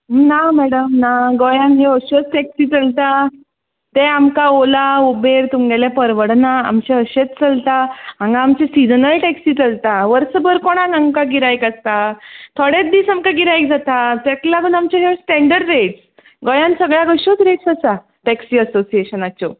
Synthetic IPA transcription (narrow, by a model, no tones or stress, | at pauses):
namɛɽəmnaɡojãnɦeəɕot͡sʈɛksiːt͡səlt̪a | t̪eamkaolaobeɾt̪umɡɛlɛpəɾʋəɽnaa̰mt͡ɕeəɕet͡st͡səlt̪aãŋɡãːmt͡ɕesid͡zənəɭʈɛksit͡səlt̪aʋəɾsəbəɾkoɽ̃ãŋaŋkaɡiɾajkəst̪at̪ʰoɽet̪̚d̪iːsamkaɡiɾajk̚d͡zat̪at̪ɛk̪laɡuːnamt͡ɕaɦesʈɛ̃ɳɖəɽɾeʈs | ɡojãnsəɡɭjaɡəɕot͡sɾeʈsəsa | ʈɛksiəsosieɕənat͡ɕɔ